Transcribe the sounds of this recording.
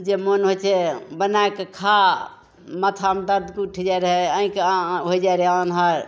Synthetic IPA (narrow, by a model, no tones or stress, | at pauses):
d͡ʒemonɦot͡ʃʰebənaekekʰa | mət̪ʰamd̪əɾd̪kuʈʰd͡ʒaɾɦeəĩkeɦojd͡ʒaɾɦeanɦaɾ